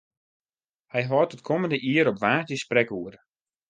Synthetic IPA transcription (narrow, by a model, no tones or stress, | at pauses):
hɛjɦɔːtətkʰoməndəʔiəɾɔpʋaːtəsprɛkuəɾə